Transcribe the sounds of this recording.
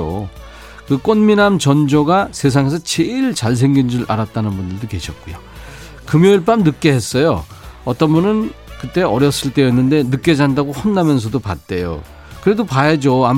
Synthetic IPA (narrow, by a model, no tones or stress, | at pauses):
o̰ | kɯk͈onminamt͡ɕʌnd͡ʑoɡasʰe̞s̬ʰaŋesʰʌt͡ɕeiɭt͡ɕaɭs̬ʰe̞ŋɡind͡ʑuɭʔa̰ɾat̚t͈anɯnbundɯɭdoke̞ɕʰʌt̚k͈ujo | kɯmjʌiɭp͈amnɯk̚k͈e̞ɦes͈ʌjo | ʌt͈ʌnbunɯnkɯt͈e̞ʌɾjʌs͈ɯɭt͈e̞ʌnːɯnde̞nɯk͈̚e̞d͡ʑandaɡohonːamjʌns̬ʰʌdopa̰t̚t͈e̞jo̰ | kɯɾe̞dopajad͡ʑoam